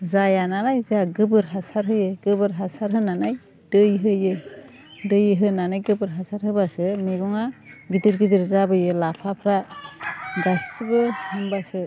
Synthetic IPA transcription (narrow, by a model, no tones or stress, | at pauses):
zajanalajzaɡɯbɯɾɦasaɾɦɯjɯɡɯbɯɾɦasaɾɦɯnanaj | d̥ɯjɦɯjɯ | dɯjɯɦɯnanajɡɯbɯɾɦasaɾɦɯbasɯmeɡɔŋaɡidɯɾɡidɯɾzabɯjɯlapʰapʰɾa | ɡasbɯhɯŋbasɯ